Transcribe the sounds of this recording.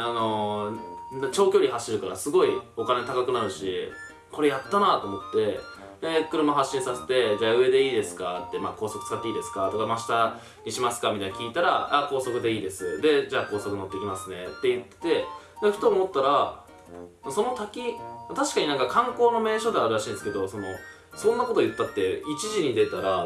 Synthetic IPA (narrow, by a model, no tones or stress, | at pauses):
ano̞ | nat͡ɕo̞ːkʲo̞ːɾʲihaɕːiɾɯ̟kaɾa̰sɨɡo̞iokanet̪akakɯ̟naɾɯ̟ɕḭ | ko̞ɾe̞jat̪ːanat̪o̞ːmo̞t̪ːe̞ | ekɯ̟ɾɯ̟maɦaɕːĩɰ̃sase̞̥t̪e̞d͡ʑaːɯ̟e̞d̪e̞iːd̪e̞sɨ̥kat̪ːe̞ma̰ko̞ːso̞kɯ̟t͡sɨ̥kat̪ːeiːd̪e̞sɨ̥kat̪o̞kamaɕi̥t̪a | ɲiɕimasɨ̥kamʲit̪aɲʲakʲiːt̪aɾa̰ako̞ːso̞kɯ̟d̪e̞iːd̪e̞sɨ̰d̪e̞d͡ʑaːko̞ːso̞kɯno̞t̪ːeikʲimasɨne̞̰t̪ːe̞jɯ̟t̪ːe̥t̪e̞ | d̪çi̥t̪omot̪ːaɾa | maso̞no̞t̪akʲimat̪aɕi̥kaɲ̟inãŋkakãŋko̞ːno̞me̞ːɕo̞d̪eaɾɯɾaɕĩːd̪esɨ̥ke̞d̪o̞so̞no̞ | sõ̞nːako̞t̪o̞jɯ̟t̪ːat̪ːe̞it͡ɕiʑiɲ̟id̪e̞t̪aɾa